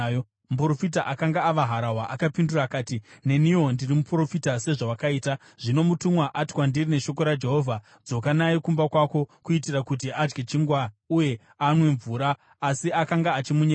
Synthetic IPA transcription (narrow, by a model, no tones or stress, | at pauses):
muprofit̬aʔakaŋɡaːʋaɦaɾaɦwaʔakapinduraːkaːtine̞nio̞ndirimupro̞fitase̞ʐawakaiːta | ʐ̥ino̞mutumwaʔatwandirine̞ʃo̞ko̞ɾad͡ʒe̞ɦo̞vʱa | d͡zo̞kanaikumbakwako̞kuitirakut̬iʔad͡ʒɡet͡ʃiŋɡwauje̞ | anwe̞ɱvuːɾaː | siakaŋɡaːt͡ʃimuɲe